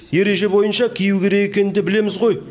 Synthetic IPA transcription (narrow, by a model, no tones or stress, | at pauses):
je̞ɾe̞ʒe̞bo̞jənʃɑkʲʰijuwkʲʰe̞ɾe̞ɡekʲe̞nɪnd̪e̞bɪle̞mɪzʁo̞j